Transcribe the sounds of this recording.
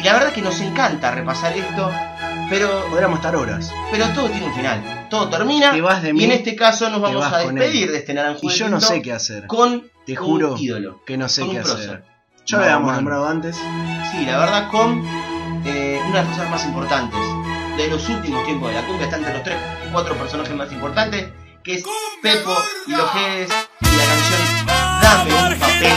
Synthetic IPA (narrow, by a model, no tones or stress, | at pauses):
ilaβeɾðakeno̞seŋkant̪arepasaɾest̪o̞ | peɾo̞oðɾijamose̥t̪aɾoɾa̰s | peɾo̞t̪oð̞o̞t̪jeneulfina̰l | t̪oð̞ot̪eɾminaeβahðemienest̪ekaso̞nozβamoβsaaðenpeðiɾðet̪enaɾaŋxuiʃonosekeaseɾkont̪exuɾoiðo̰lo̰kenoseonũapɾosso̰ | ʃoaajiamosnombɾaðoant̪essilaβeɾð̞ako̞n | eunaðlakosnaɦmasimpoɾt̪ant̪esðelo̞sult̪imost̪jemp̬oðelakumbjaet̪aent̪ɾeloht̪ɾeskwat̪ɾo̞peɾsonaxesmasimpo̞ɾt̪ant̪es | keespepoilosxeðesilakansjond̪aepape